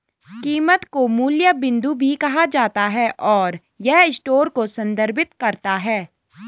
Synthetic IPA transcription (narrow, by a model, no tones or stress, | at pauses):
kiːmət̪komuːljabɪ̃nd̪ubʱikɐɦad͡ʒaːt̪aɦɛʔɔːɾ | jɛɦɪsʈoːɾkosɐ̃nd̪ʱəɾbɪt̪kɐɾt̪aɦɛː